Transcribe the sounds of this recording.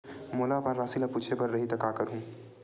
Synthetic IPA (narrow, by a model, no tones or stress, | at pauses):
moːlapɐɾːaːsilapuːt͡ʃʰepɐɾːɐɦit̪ɐkaːkɐɾɦũː